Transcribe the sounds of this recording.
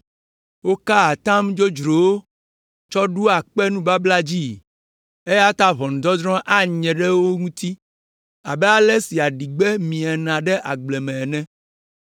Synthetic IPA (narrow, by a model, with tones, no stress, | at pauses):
wo˦ka˦a˨t̪ã˦md͡ʒo˦d͡ʒɾo˨wo˦ | t͡ʃɔ˦ɖu˦a˨k͡pɛ˦nũ˦ba˦bla˦d͡ʑi˦˨ | e˦ja˦t̪a˦βɔ˨nũ˨d̪ɔ˦d̪ɾɔ̃˦ʔa˦ɲɛ̃˨ɖɛ˦wo˦ŋũ˦t̪i˦ | a˨bɛ˦a˦lɛ˦si˨a˨ɖi˨ɡ͡bɛ˦mĩ˨a˨nã˨ɖɛ˦ʔa˨ɡ͡blɛ˨mɛ̃˨nɛ̃˦